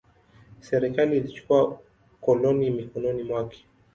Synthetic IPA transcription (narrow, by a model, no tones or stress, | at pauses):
sɛɾɛkaliːlit͡ʃu̥kua | kɔlɔnimikɔnɔnimwakɛ̥